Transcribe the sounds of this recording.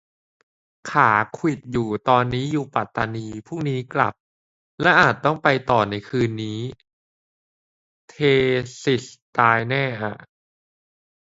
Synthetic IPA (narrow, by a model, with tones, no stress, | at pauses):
kʰaː˩˦kʰwi˨˩t̪̚juː˨˩t̪ɔː˧nːiː˦˥juː˨˩pa˨˩t̪ːa˧niː˧pʰuː˥˩ŋniː˦˥kla̰˨˩p̚ | lɛ˦˥ʔaː˨˩t̪̚ːɔ˥˩ŋpa˧jt̪ɔː˨˩na˧jkʰɯː˧nːiː˦˥ | t̪ʰeː˧si˨˩st̪aː˧jnɛː˥˩ʔa˨˩ʔ